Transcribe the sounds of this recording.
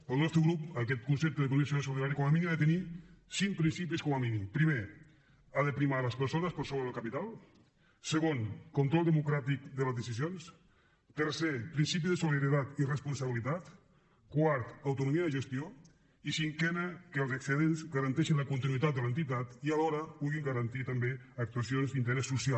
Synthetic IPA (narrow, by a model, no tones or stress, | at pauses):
əlˠnɔst̪ɾəɣɾupəkɛt̪̚kunsɛp̚t̪əðək̬unisions̬uliðaɾjikɔmaminiaðət̪ənisiŋk̚pɾinsip̬iskɔmaminipɾime | aðəpɾimaləspəɾsonəspəɾsoβɾəðəlˠkapit̪alˠ | səɣonkunt̪ɾɔlˠd̪əmukɾat̪ik̚d̪ələzðəsizjons | t̪əɾsepɾinsip̬izðəsuliaɾit̪at̪irəspunsaβilit̪at̪ | kwaɾt̪awt̪unumiəðəʒəst̪io | isiŋkɛnəkəlˠzəksəðenzɡaɾant̪ɛʃinləkunt̪inuit̪at̪̚d̪əlent̪it̪at̪ialɔɾəpuɣiŋɡaɾant̪it̪ambeək̚t̪uasionzd̪int̪əɾɛsːusia